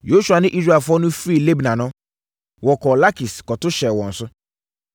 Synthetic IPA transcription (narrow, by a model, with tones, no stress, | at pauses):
jo˨˦ʃu˨a˨nɪ̃˦ʔi˦zɾɛ˨fɔ˦nʊ̃˦fɾi˦˨le˦bnã˨nɔ̃˨˦ | wɔ˨kɔ˨la˦ki˨skɔ˨tʊ˦ʃɛ˨wɔ̃˨n̩˨sʊ˦